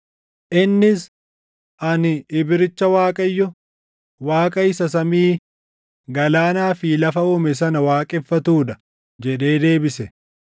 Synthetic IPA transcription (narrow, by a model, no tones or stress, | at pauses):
ʔɪnːɪs | ʔɐnɪɪbɪɾɪt͡ʃːɐwaːkʼɐjːɔ | waːkʼɐɪsɐsɐmiː | ɡɐlaːnaːfilɐfɐuːmɛs̬ɐnɐwaːkʼɪfːɐt̪uːᶑ̪ɐ̥ | d͡ʒɛᶑe̞ːd̪e̞ːbɪsɛ